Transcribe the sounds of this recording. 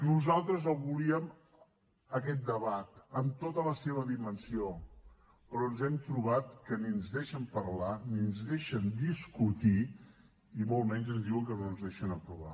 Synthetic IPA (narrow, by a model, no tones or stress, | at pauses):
nuzalˠt̪ɾəzəlˠβuliəm | əkɛt̪̚d̪əβat̪əmt̪ot̪ələseβ̞əðimənsio | pɾɔnzɛmt̪ɾuβat̪kəninzðeʃəmpəɾlaninzðeʃənd̪iskut̪i | imolˠmɛɲzənzðiwəŋkənonzðeʃənəpɾuβa̰